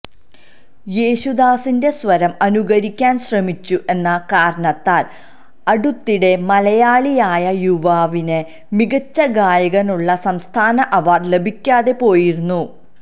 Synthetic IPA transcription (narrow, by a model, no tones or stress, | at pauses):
jeːɕud̪aːsinde̞sʋɐɾɐmɐnuɣɐɾikʲːaːnɕrɐmit͡ɕːuʔe̞nːɐkaːɾɐɳɐt̪ːaːl | ɐɽut̪ːiɽe̞mɐlɐjaːɭijaːjɐjuʋaːʋinɨ | miɣɐt͡ɕːɐɡaːjɐɣɐnuɭːɐsɐmst̪ʰaːnɐʔɐʋaːrle̞bʱikʲːaːðe̞po̞ːjiɾunːu